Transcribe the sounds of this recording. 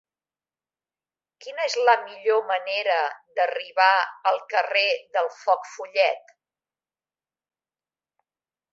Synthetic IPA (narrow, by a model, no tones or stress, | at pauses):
kinəezləmiʎoməneɾəd̪əriβaəlˠkəreðəlˠfɔkfuʎɛt̪